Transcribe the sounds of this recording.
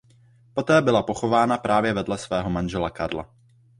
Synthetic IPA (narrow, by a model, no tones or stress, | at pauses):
po̞t̪ɛːbɪlapo̞xo̞vaːnapɾʔaːvjɛvɛdlɛsvɛːɦo̞manʒɛlakaɾla̰